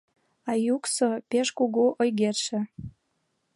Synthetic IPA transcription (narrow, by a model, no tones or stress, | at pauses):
ɑjuksopeʃkuɣuʔojɣerʃɘ̆